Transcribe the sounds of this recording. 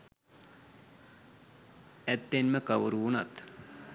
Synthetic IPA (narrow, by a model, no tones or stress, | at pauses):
ɛt̪ːenməkaʋuɾuːnat̪